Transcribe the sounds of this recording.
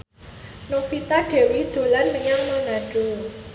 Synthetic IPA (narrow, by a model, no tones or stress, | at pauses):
nofit̪aɖ̥e̤wid̪̥ṳlanməɲaŋmanaɖ̥u